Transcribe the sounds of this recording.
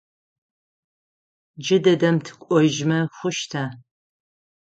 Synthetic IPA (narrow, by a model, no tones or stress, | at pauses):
d͡ʒɪdɐdɐmtʰɨ̥kʷʼɔʒmɐxʷʊʃtʰaː